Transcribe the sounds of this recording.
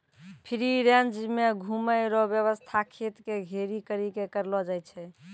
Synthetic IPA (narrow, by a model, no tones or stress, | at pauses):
pʰiɾiɾjand͡ʒimeɡʱuməɪɾɔbjəβəst̪ʰakʰet̪keɡʱeɾikəɾikekəɾlɔd͡ʒajt͡ʃʰɛ